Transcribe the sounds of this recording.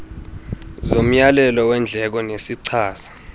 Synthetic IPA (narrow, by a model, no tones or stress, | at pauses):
zom̩jalɛlɔwɛnd͡ɮʱɛk̬ɔnesiǀʰaːsḁ